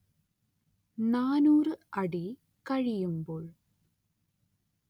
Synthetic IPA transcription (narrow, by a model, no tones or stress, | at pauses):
naːnuːrɨɐɽi | kɐɻijumboːɭ